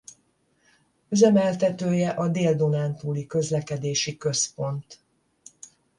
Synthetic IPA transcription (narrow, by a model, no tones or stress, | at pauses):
yzɛmɛlt̪ɛt̪øːjɛʔɒd̪eːld̪o̞naːnt̪uːlikø̞zlɛkɛd̪eːʃikø̞spo̞nt̪